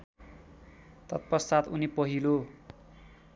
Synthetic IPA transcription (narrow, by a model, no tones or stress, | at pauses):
t̪ʌt̪̚pʌsat̪unipʌɦilo